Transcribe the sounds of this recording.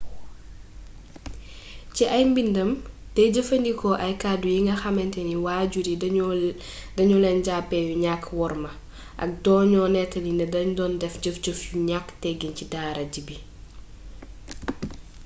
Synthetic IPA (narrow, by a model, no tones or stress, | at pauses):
ciʔɐjmbindɐm | tɛɟəfɐndikʰɔʔɐjkadujiŋɡɐxɐmɛntɛniwaːɟuɾi | dɐɲulɛnɟapːɛjuɲakːwɔɾmɐ | ʔɐ̰k̚dɔːɲɔnɛtɐlinɐdɐɲdɔːndɛfɟəfɟəfjuɲakːtɛɡincidaːɾɐɟibi